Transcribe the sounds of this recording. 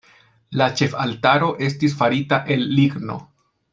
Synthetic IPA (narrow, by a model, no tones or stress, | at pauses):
lat͡ʃe̞faltaɾo̞ʔe̞s̬tis̬faɾitaʔe̞lːiɡno̞̰